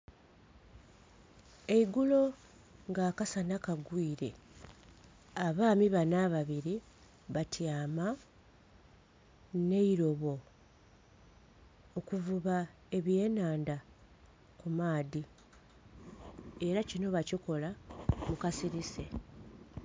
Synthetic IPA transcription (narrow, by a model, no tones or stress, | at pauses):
e̞iɡulo̞ | ŋɡaːkasanakaɡwiːɾe̞ | aβaːmiβanaβaβiɾi | βatʰjaːma | ne̞iɾo̞βo̞ | okuvuβa | e̞βje̞ːnaːnda | kumaːdi | e̞ɾacino̞βaciko̞lamukasiɾise̞